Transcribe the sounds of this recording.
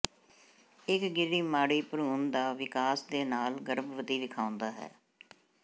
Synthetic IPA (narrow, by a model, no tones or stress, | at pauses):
ɪkɡɪɾiːmaːɽiːpəɾuːnd̪aːʋɪkaːsd̪eːnaːlɡəɾəbʋəd̪iːd̪ɪkʰãːʊ̃nd̪aːɦɛ̰ː